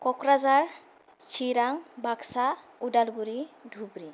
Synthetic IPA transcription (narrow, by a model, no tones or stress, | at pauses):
kɔkɾazaɾ | t͡ʃʰiɾaŋbaksa | udalɡuɾidʱubɾi